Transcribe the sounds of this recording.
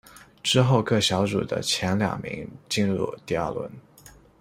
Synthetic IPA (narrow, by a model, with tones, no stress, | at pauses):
ʈ͡ʂɻ̩˥xo˥˧ʊkɤ˥˩ɕjɑ˧˥ʊʈ͡ʂṵ˨˩d̪ə̰˦t͡ɕʰjɛ˧˥nljɑ̰˨˩ŋmḭ˧˥ŋt͡ɕi˥˧nɻṵ˥˧t̪i˥˧ɐ̰˞˥˩lwə̰˧˥n